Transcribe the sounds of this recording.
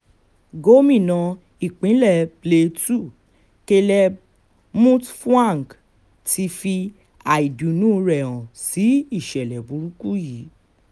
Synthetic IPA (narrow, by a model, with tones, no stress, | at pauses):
ɡo˦mĩ˦˨nã˧ | i˨k͡pĩ˨˦lɛ˦˨ple˧tu˦˨ | ke˧lɛ˧ | mũ˦tfã˦˨ŋ˨k | ti˧fi˧ | a˨i˨du˨nũ˦˧ɾɛ˨w̃ã˨si˨˦i˦˨ʃɛ˨lɛ˨bu˨˦ɾũ˦ku˦ji˨˦